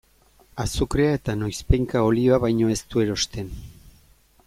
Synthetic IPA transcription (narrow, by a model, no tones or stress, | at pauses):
asukɾeae̞t̪ano̞jspe̞jŋkao̞lioaβajɲo̞e̞st̪ue̞ɾo̞st̪e̞n